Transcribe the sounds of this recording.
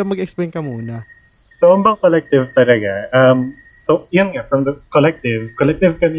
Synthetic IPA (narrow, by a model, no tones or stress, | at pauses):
ɐmɐɡɛksplɛjnkɐmuːnɐ | soɐmbɐŋkolɛk̚t̪ɪvt̪ɐlɐɡaʔɐm | sojʊnŋafɾɐmd̪ɐkolɛk̚t̪ɪvkolɛk̚t̪ɪvkɐnɪ